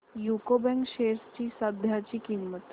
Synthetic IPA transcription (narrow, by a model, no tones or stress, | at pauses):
jukobɛ̃ŋkɕeɾst͡ɕiːsad̪ʱjat͡ɕiːkimːət̪